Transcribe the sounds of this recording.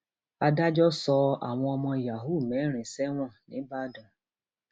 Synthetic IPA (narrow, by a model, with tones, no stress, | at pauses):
a˧da˦d͡ʒɔ˦sɔ˧a̰˨w̃ɔ̃˧ɔ˧mɔ̃˧˨ja˨ɦu˦˨mɛ˨˦ɾ̃ĩ˨sɛ˦w̃ɔ̃˦˨nĩ˨˦ba˦˨dã˨